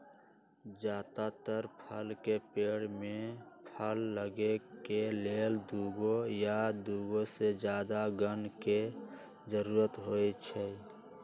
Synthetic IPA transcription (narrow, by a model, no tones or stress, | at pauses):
d͡ʒaːt̪at̪əɾpʰəlkepeːɽmẽpʰəlːəɡekeleld̪uɡojad̪uːɡosed͡ʒjaːd̪aɡənke | d͡ʒəɾuːɾət̪ɦojt͡ʃʰɛ